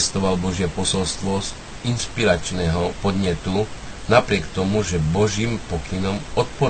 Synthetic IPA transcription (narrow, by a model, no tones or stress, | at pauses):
st̪ɔʋalbɔʒɪɛpɔsɔlst̪ʋɔz | inʃpiɾat͡ʃnɛːɦɔpɔd̪ɲɛt̪u | napɾɪɛkt̪ɔmuʒɛbɔʒiːmpɔkinɔmɔt̪̚pɔ